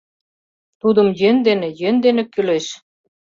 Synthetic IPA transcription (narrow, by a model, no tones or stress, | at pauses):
t̪ud̪ə̆mjønd̪enĕjønd̪enĕkyleʃ